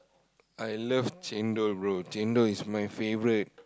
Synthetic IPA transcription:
ʔajlʌft͡ʃɛ̃ndoɹot͡ʃɛ̃ndoismajfevɹit̚

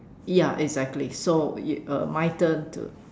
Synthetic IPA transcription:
jaʔɛɡzɛk̚tlisoəmajtə̃ntṵ

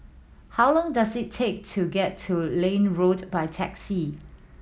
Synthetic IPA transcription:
hawlɔ̃ŋdasɪtʰːek̚tʰuɡɛtʰːulẽnɹodbaɪtʰɛ̰ksi

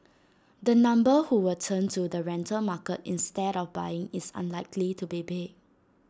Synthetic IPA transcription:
dənãmbəhuwiltʰə̃ntudəɹɛ̃ntʰəlmakətḭ̃nstɛɾɔfbaɪɪ̃ŋɪsə̰̃nlaɪkʰlitubibek̚

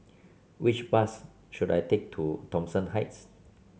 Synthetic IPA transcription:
wit͡ʃbas | ʃuda̰jtʰek̚tʰutɔ̃msə̃nhaɪts

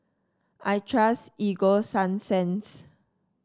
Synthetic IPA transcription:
ʔajtʰɹasiɡosãnsɛ̃ns

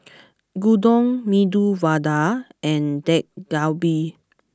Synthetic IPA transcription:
ɡudɔ̃ŋmiduvadaɛ̃ndɛk̚ɡ̥awbi

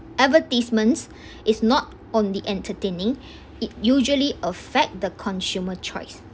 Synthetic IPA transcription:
ɛvətismə̃ns | ʔɪsnɔt | ɔ̃ndiʔɛ̃ntʰətẽnɪ̃ŋ | ɪt̚juʒuəliəfɛk̚t̚dəkʰɔ̃nsjumət͡ʃʰɔ̰ɪs

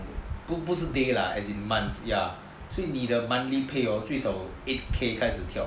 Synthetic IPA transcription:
bubusədela̰ɛ̰sĩnmãnθja | soinidəmãnlipʰeɔtwisɔet̚kʰekʰajsətʰjaʊ

